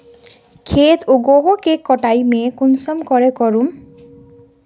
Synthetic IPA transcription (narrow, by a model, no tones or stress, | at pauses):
kʰet̪ʰuɡoɦɔkekːɔʈajmɛkunsɔmkɔɹɛkɔɹum